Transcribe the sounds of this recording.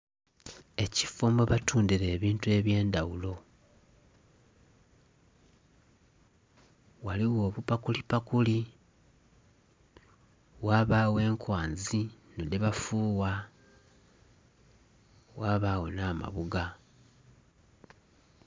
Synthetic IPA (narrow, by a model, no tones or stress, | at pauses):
e̞cifoːmboβatuːndiɾe̞ːβiːntue̞βje̞ːndawulo̞ | waliwo̞ːβupakulipakuli | waːβaːwe̞ːŋkwaːnzinoliβafuːwa | waːβaːwo̞naːma̰βuɡa